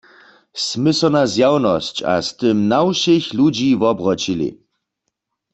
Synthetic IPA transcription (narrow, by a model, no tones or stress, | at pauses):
smɪsɔnazjawnɔst͡ɕa̰st̪ɪmnawʃixlud͡ʒiːvɔbʁɔt͡ʃilḭ